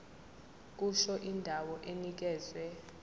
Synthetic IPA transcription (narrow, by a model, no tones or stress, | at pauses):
k̬uʃɔʔindʱawɔʔenik̬ɛːzwɛ